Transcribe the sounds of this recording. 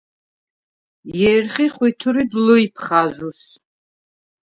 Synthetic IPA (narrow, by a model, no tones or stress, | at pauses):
jɛrχiχʷwit̪ʰuɾid̪lɔipʰχazʷus